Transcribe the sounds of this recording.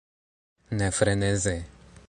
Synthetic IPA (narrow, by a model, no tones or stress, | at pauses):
nɛfɾɛnezɛ